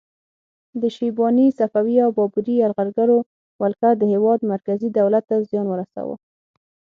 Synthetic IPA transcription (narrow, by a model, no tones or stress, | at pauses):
d̪əʃibɑnisafawiawbɑbuɾiaɾɣaɾɡaɾo | malkad̪əhewɑd̪maɾkazid̪awlat̪ːazjɑnwəɾasa̰wə̰